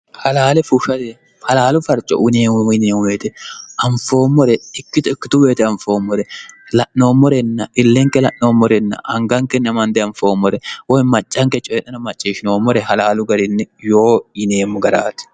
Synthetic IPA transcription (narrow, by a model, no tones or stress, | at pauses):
hɐlaːlɛfʊʃɐt̪ɛ | hɐlaːlʊfɐɾt͡ʃʼːɔ̰ʔɪneːɪneːŋʊeːt̪ɛɐɱfo̞ːmːɔɾɛɪkːɪt̪ʊɪkːɪt̪ʊbeːt̪ɛɐɱfo̞ːmːɔɾɛlɐʔno̞ːmːɔɾɛnːɐʔɪlːɛŋkːɛlɐʔno̞ːmːɔɾɛnːɐ̰ʔɐŋɡɐŋkɛnɐmɐnd̪ɛɐɱfo̞ːmːɔɾɛwɔjmɐt͡ʃʼːɐŋkɛt͡ʃʼɔjɛɗɐnɐmɐt͡ʃʼːiːʃɪno̞ːmːɔɾɛɦɐlaːlʊɡɐɾɪnːɛjo̞ːɪneːmːʊɡɐɾa̰ːt̪ɛ̥